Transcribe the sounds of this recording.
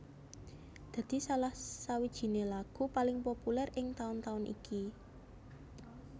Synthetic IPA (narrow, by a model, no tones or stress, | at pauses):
d̪̥a̤d̪̥i̤salahsawid̥ʒ̥i̤nelaɡ̥ṳpalɪŋpopulɛrʔɪŋt̪aʊnt̪aʊnʔḭki